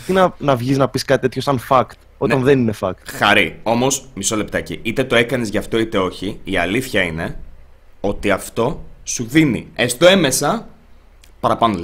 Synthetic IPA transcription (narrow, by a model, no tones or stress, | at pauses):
t̪inɐnɐvʝiznɐpiskɐt̪it̪e̞t̪çosɐnfɐkt̪ | o̞ɐnðenine̞fɐk̚t̪xɐɾio̞mo̞smiso̞le̞p̚t̪ɐciit̪e̞t̪o̞e̞kɐnezʝɐft̪o̞it̪e̞o̞çiːɐliθçɐine̞ | o̞t̪iɐft̪o̞suðinḭest̪oe̞me̞sɐ | pɐɾɐpɐnol